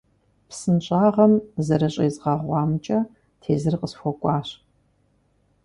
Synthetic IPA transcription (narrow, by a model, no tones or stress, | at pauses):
psɨnɕʼaːʁɐmzɐɾɐɕʼɐzʁɐʁʷɑːmt͡ʃʼɐ | tʰeːzɨrqʼəsfʷɔkʷʼɑːɕ